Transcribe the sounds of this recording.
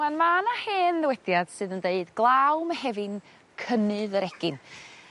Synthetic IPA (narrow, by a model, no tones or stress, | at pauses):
anmanaheːnðɪwɛd̥jad̥sɨðəndeɨdɡlˠawmahɛvɨn | kʰənɨðəɾɛɡ̥ɪn